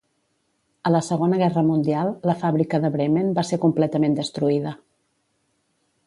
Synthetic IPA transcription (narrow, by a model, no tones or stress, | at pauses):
ələsəɣ̞onəɣ̞ɛrəmund̪ialˠləfaβɾikəðəβɾemenbasekumplɛt̪əmend̪əst̪ɾuiðə